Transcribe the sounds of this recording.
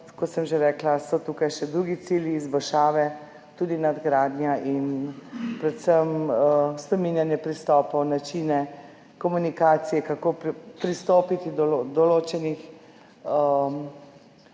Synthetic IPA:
kɔt̪səmʒeɾɛːklasɔt̪uːkajʃɛd̪ɾuɡit̪siːljiːzbɔlʃaːʋɛ | t̪uːd̪inad̪ɡɾaːd̪njaʔinpɾɛt̪səmspɾɛminjanjɛpɾist̪ɔːpɔwnat͡ʃiːnɛ | kɔmunikaːt̪sijɛkakoːpɾist̪oːpit̪id̪ɔod̪ɔloːt͡ʃɛnix | ə

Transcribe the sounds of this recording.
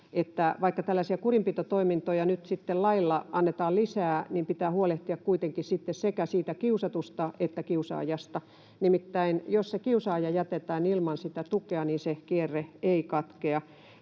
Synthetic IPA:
et̪ːæʋɑikːɑt̪ælːæsiækurimpit̪ot̪oimint̪ojɑnyt̪sit̪ːellɑilːɑɑnːet̪ɑːllisæːnimpit̪æːhuoleht̪iɑkkuit̪eŋkissit̪ːessekæsiːt̪ækiusɑt̪ust̪ɑʔet̪ːækiusɑ̰ːjɑst̪ɑ | nimit̪ːæinjossekiusɑːjɑjæt̪et̪æːnilmɑnsit̪æt̪ukeɑniːnsekierːeeikɑt̪keɑ

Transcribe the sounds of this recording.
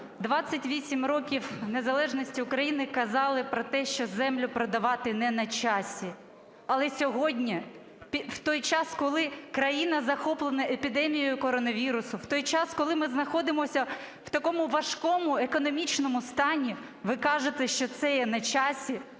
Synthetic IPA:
d̪ʋɑt͡sʲsʲːɐtʲʋʲisʲimɾɔkʲiwne̞zɐlˠɛʒnɔsʲtʲiʊkɾɐjinɪkɐzɑlˠɪpɾɔt̪ɛʃt͡ʃɔzɛmlʲʊpɾɐd̪ɐʋɑt̪ɪnɛnɐt͡ʃɑsʲi | ɐlˠɛsʲɔɦɔdʲnʲi | pʲwt̪ɔjt͡ʃɑskɔlˠɪkɾɐjinɐzɐxɔplˠenɐʔepʲid̪ɛmʲijjʊkɔɾɔnɐʋʲiɾʊsʊwt̪ɔjt͡ʃɑskɔlˠɪmɪznɐxɔd̪ɪmɔsʲɐ | w̥t̪ɐkɔmʊʋɐʃkɔmʊekɔnɔmʲit͡ʃnɔmʊst̪ɑnʲi | ʋɪkɑʒɪt̪ɛʃt͡ʃɔt̪sɛjɛnɐt͡ʃɑsʲi

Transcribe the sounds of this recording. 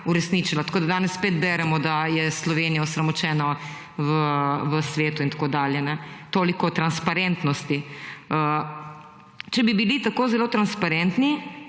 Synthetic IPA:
uɾɛsnit͡ʃilat̪ḁkoːd̪ad̪aːnɛsspeːt̪bɛːɾɛmɔd̪ajɛslɔʋenijaɔsɾɐmɔt͡ʃɛːnɔ | ʋəʋəsʋeːt̪uint̪ḁkoːd̪aːljɛnɛt̪oːlikɔt̪ɾanspaɾent̪nɔst̪iə | t͡ʃɛbibilit̪akoːzɛloːt̪ɾanspaɾɛnt̪ni

